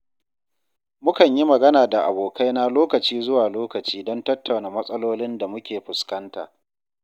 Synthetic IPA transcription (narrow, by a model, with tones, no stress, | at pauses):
mʊ˦kɐ˨ɲji˦mɐ˨ɡɐ˦naː˨da˨ʔa̰˨boː˨kʰa˦jna˦loː˦kɐ˨t͡ʃiː˦zʊ˦waː˨loː˦kɐ˨t͡ʃiː˦dɔ˦ntɐ˦tːa˨wnaː˨mɐ˦sʼɐ˦loː˦lɪ˦nda˨mʊ˦kʲeː˨ɸʊ˨skɐ˦nta̰ː˨